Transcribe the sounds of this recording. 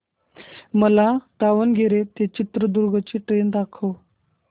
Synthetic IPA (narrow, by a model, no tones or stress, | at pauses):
məlat̪aʋənɡʱeɾet̪et͡ɕit̪ɾəd̪uɾɡʱət͡ɕiːʈɾend̪akʰəʋ